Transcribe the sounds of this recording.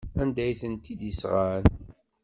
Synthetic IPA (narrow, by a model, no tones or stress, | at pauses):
ænd̪æjθənt̪id̪isʁaɾən